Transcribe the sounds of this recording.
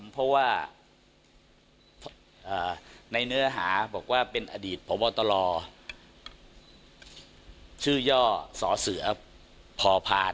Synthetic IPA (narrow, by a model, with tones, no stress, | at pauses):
mpʰɔ˦˥waː˥˩ | pʰ | ʔaː˨˩na˧jnɯ˦˥ɐɦa̰ː˩˦bɔː˨˩k̚waː˥˩pe˧nʔa˧diː˨˩t̪̚pʰo˨˩˦mbɔː˧t̪ɔ˧lɔː˧ | t͡ɕʰɯː˥˩jɔː˥˩sɔ̰ː˩˦sɯ˩˦ɐ | pʰɔː˧pʰaː˧n